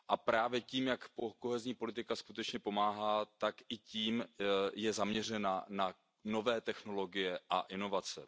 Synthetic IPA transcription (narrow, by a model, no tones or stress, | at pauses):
ʔapɾaːvjɛciːmjakpoko̞ɦɛzɲiːpo̞lɪt̪ɪkaskut̪ɛt͡ʃɲɛpo̞maːɦaːt̪akʔɪciːmjɛzamɲɛr̝ɛnana | no̞vɛːt̪ɛxno̞lo̞ɡɪjɛʔa̰ʔɪno̞vat͡sɛ̰